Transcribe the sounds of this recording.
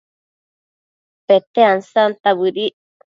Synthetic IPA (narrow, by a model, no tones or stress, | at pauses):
pet̪eansant̪aβɨɾiʔ